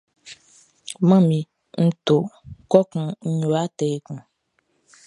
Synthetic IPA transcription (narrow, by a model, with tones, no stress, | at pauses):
mã˦mĩ˨ | ŋ̩˦t̪o˨kɔ˦kũ˨ɲ̩˦ɲo˨a˦t̪ɛ˨e˨kũ˨